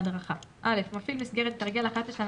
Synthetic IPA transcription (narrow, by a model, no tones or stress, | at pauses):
d̪ʁaχaʔale̞fmafilmisɡe̞ʁet̪et̪aʁɡelaχat̪leʃan